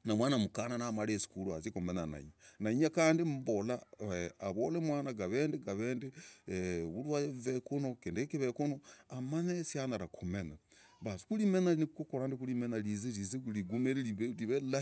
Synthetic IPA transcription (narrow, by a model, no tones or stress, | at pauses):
namwaːnamukananamalesi̥kuluazikomenana̰ḭɲanaiɲakaːndim̩bolaeaβolemwaːnaɡaβeːndeɡaβeːnde | βulwajevekunokendekiβekonoamanesjanaɾakʰumena | βasi̥kulimenanikukokoɾandikulimenalizelizeuliɡumeɾeliβliβela